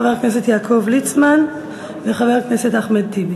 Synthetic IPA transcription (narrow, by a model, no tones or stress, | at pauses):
avɛʁknɛs̬ɛt̪jaːkʰovlit͡sman | veχavɛʁknɛsɛtaχmɛd̚tibi